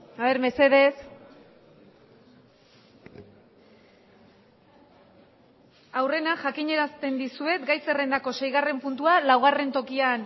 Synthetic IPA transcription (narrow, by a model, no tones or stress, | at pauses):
aβe̞ɾme̞se̞ðe̞s | awre̞naʝakiɲe̞ɾast̪e̞nd̪isue̞t̪ɡajse̞re̞nd̪ako̞se̞jɣ̞are̞mpunt̪ualawɣ̞are̞nt̪o̞kian